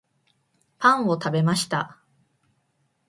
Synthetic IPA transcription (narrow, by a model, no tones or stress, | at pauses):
pãɰ̃o̞t̪abe̞maɕi̥t̪a